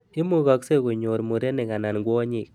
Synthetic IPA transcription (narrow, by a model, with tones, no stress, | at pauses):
i˦mu˦ɣɔ˦kse˦ɣo˨ɲo˨ɾmu˨ɾe˦nɪ˨ŋa˨na˨nɡwɔ˦ɲi˦˨k̚